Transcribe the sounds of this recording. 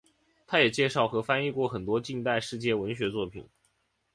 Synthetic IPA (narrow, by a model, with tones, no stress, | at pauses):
t̪ʰa˥jɛ˨˩t͡ɕjɛ˥˧ʂɑ˥˩ʊxɤ˧˥fa˥ni˥˧kwɔ˥˩xə˨˩nt̪wɔ˥t͡ɕi˥˧ŋt̪a˥˧ɪʂɻ̩˥˧t͡ɕjɛ˥˩wə˧˥nɕɥɛ˧˥t͡swɔ˥˩pʰḭ˨˩˦